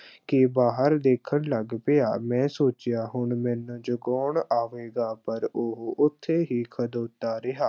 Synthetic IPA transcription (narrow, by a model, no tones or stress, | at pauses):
kɪbaːɦəɾd̪eːkʰəɳləɡpɪaːmɛ̃ːsoːt͡ʃɪjaːɦʊɳmɛ̃ːnõːd͡ʒoɡɔːɳaːʋeːɡaːpəɾoɦʊt̪ʰːeːɦiːkʰəd̪oːt̪ːaːɾɪɦaː